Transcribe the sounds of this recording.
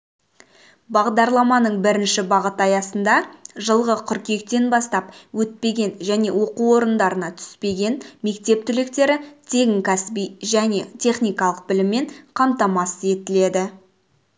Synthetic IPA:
bɑʁd̪ɑɾlˠɑmɑnəɴbɪɾɪnʃɪbɑʁət̪ɑjɑsənd̪ɑʒəlˠʁəqʰʏɾkʲe̞k̚t̪e̞nbɑst̪ɑp̚wɵt̪̚pe̞ɡʲe̞nʒæne̞wo̞quwo̞ɾənd̪ɑɾənɑt̪ʰʏ̥spe̞ɡʲe̞nme̞kt̪e̞p̚t̪ʰʏlɪk̚t̪e̞ɾɪt̪ʰe̞ɡʲɪŋkʲʰæsbijʒæne̞t̪ʲʰe̞χnijkɑlˠəq̚bɪlɪmːe̞ɴqʰɑmt̪ɑmɑsəe̞t̪ɪle̞d̪ɪ

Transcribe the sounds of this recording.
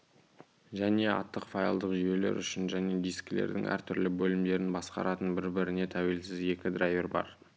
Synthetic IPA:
ʒæne̞ɑ̰t̪ːəqfɑjɑlˠd̪əqʒʏje̞le̞̰ɾʏʃɪnʒæne̞d̪ijskʲɪlḛɾd̪ɪ̰ŋʔæ̰ɾt̪ʰʏɾlɪbɵlɪmd̪e̞ɾɪnbɑsqɑ̰ɾɑt̪ənbɪɾbɪɾɪne̞t̪ʰæwe̞lsɪze̞kʲɪd̪rajeɾbɑ̰ɾ

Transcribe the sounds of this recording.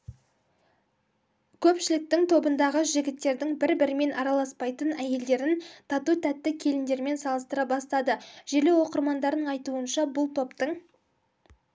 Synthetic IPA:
kʲʰɵpʃɪlɪk̚t̪ɪŋt̪ʰo̞bənd̪ɑʁəʒɪɡʲɪt̪ːe̞ɾd̪ɪŋbɪɾbɪɾɪme̞nʔɑɾɑlˠɑspɑjt̪ənæje̞ld̪e̞ɾɪnt̪ʰɑt̪ut̪ʰæt̪ːɪkʲʰe̞lɪnd̪e̞ɾme̞nsɑlˠəst̪əɾɑbɑst̪ɑd̪əʒ̥eɾle̞wo̞qəɾmɑnd̪ɑɾd̪əɴɑjt̪uənʃɑbʊlˠt̪ʰo̞pt̪əɴ

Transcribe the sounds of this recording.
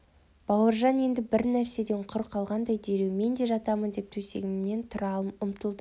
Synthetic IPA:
b̥ɑwəɾʒɑnje̞nd̪ɪbɪɾnæɾse̞d̪e̞ɴqʰʊɾqʰɑlˠʁɑnd̪ɑjd̪e̞ɾewme̞nd̪e̞ʒɑt̪ɑmənd̪e̞p̚t̪ʰɵse̞̰ɡʲɪmne̞nt̪ʰʊɾɑəmʊmt̪əlˠd̪ə

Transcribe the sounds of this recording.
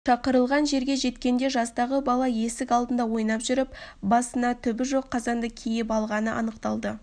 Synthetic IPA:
ʃɑqəɾəlˠʁɑnʒe̞ɾɡʲe̞ʒe̞t̪kʲe̞nd̪e̞ʒɑst̪ɑʁəbɑlˠɑje̞sɪkɑlˠd̪ənd̪ɑwo̞jnɑpʒʏɾɪpbɑsənɑt̪ʰʏbɪʒo̞qʰːɑzɑnd̪əkʲʰejɪpɑlˠʁɑnəʔɑ̰nəq̚t̪ɑlˠd̪ə

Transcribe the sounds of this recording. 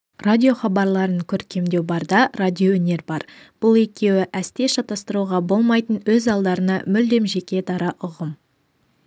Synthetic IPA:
radʲio̞χɑbɑɾlˠɑɾəŋkʲʰɵɾkʲʰe̞md̪e̞wbɑɾd̪ɑradʲiowɵne̞ɾbɑɾb̥ʊlˠe̞kʲe̞wɪʔæst̪e̞ʃɑt̪ɑst̪əɾuʁɑbo̞lˠmɑjt̪ənwɵzɑlˠd̪ɑɾənɑ̰mʏld̪e̞mʒe̞kʲe̞d̪ɑɾəʔʊʁəm

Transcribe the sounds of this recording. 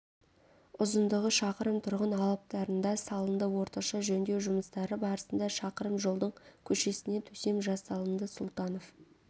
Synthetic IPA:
ʊzənd̪əʁəʃɑqəɾəmt̪ʰʊɾʁənɑlˠəp̚t̪ɑɾənd̪ɑsɑlˠənd̪əwo̞ɾt̪ɑʃɑʒɵnd̪e̞wʒʊməst̪ɑɾəbɑɾəsənd̪ɑʃɑqəɾəmʒo̞lˠd̪əɴkʲʰɵʃe̞sɪne̞t̪ʰɵse̞mʒɑsɑlˠənd̪əsʊlˠt̪ɑno̞f

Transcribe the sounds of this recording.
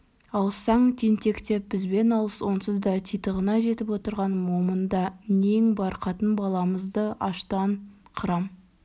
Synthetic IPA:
ɑlˠsɑɴt̪ʰent̪e̞kt̪e̞p̚b̥ɪzbe̞nɑlˠəswo̞nsəzd̪ɑt̪ʰijt̪əʁənɑʒe̞t̪ɪpwo̞t̪əɾʁɑnmomənd̪ɑne̞ŋbɑɾqɑt̪ənbɑlˠɑməzd̪əɑʃt̪ɑnqʰəɾɑm

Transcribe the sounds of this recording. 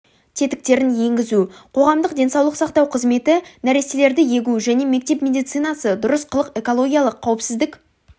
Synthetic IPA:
t̪ʰe̞t̪ɪ̥k̚t̪e̞ɾɪnje̞ŋɡʲɪzuqʰo̞ʁɑmd̪əqd̪ʲe̞nsɑwlˠəqsɑqt̪ɑwqʰəzme̞t̪ɪnæɾe̞sele̞ɾd̪ɪje̞ɡʲuʒæne̞me̞k̚t̪e̞pmʲe̞d̪ijt̪sɨjnɑsəd̪ʊɾəsqʰəlˠəqe̞kolˠo̞ɡʲijalˠəqʰːɑwəpsɪzd̪ɪk

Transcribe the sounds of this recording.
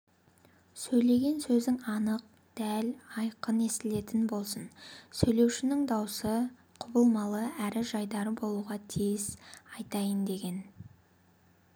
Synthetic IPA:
sɵjle̞ɡʲe̞nsɵzɪŋɑnəq̚ | d̪̥ælɑjqəne̞st̪ɪle̞t̪ɪnbo̞lˠsənsɵjle̞wʃɪnɪŋd̪ɑwsə | qʰʊbəlˠmɑlˠəæɾɪʒɑjd̪ɑɾəbo̞lˠuʁɑt̪ʰijɪzɑjt̪ɑjənd̪e̞ɡʲe̞n

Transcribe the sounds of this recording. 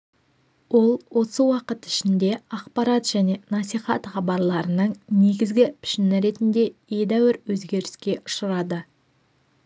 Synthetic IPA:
wo̞lˠwo̞səwɑqət̪ɪ̥ʃɪnd̪e̞ɑqpɑɾɑt̪ʒ̥æne̞nɑsijχɑ̰t̪χɑbɑɾlˠɑɾənəɴne̞ɡʲɪzɡʲɪpʰɪ̥ʃɪnɪɾe̞t̪ɪnd̪e̞je̞d̪æwɪɾwɵzɡʲe̞ɾɪskʲe̞ʔʊʃəɾɑd̪ə

